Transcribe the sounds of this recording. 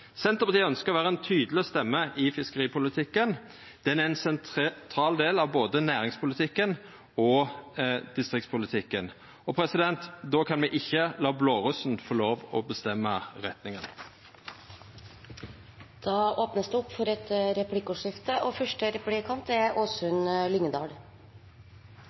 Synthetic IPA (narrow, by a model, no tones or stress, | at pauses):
sɛnt̪ʁəpɑt̪iːœnskəʁɔʋæːʁəɛnt̪ʰyːd̪l̩ɪst̪ɛmːəʔɪfɪskəʁiːpʰʊlɪt̪ʰɪkːən | d̪̥ɛnæʁɛnsɛnt̪ʰɾɑːld̪eːlɑʋboːd̪ənæːʁɪŋspʰʊlɪt̪ʰɪkːən | ɔ | d̪ɪst̪ʁɪkt̪spʰʊlɪt̪ʰɪkːən | ɔpʰɾɛsɪd̪ɛnt̪d̪oːkʰɑnmɛʔɪçːəlɑːbloːʁʉsn̩fɔloːʋɔbəst̪ɛmːəʁɛt̪nɪŋən | d̪̥ɑːoːpnəsd̪ʉɔpfɔɾɛt̪ɾɛpʰlɪkʊʂɪft̪əʔɔfœʂʈəɾɛplɪkʰɑmt̪æɾoːsʉnlʏŋəd̪ɑ̰ːɖ